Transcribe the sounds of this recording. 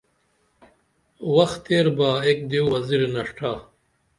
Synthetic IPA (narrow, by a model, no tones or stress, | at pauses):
wɐxt̪eːɾbaːek̚d̪iwwɐziɾenɐʂʈʰaː